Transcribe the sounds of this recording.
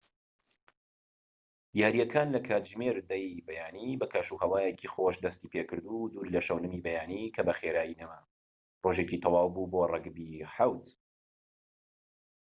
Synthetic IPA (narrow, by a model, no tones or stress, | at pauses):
jaːɾijɛkʰaːnlɐkʰaːt̪ʒmeːɾd̪ɐjbɐjaːnibɐkʰaʃuhɐwaːjekʰixoʃd̪ɐst̪iːpʰekɨɾd̪ud̪uːɾlɐʃɐwnɨmibɐjaːnikʰɐbɐxeːɾaːjinɐma | roʒecit̪ʰɑwɑːwbuːboːrˤɨɡbiħawt̪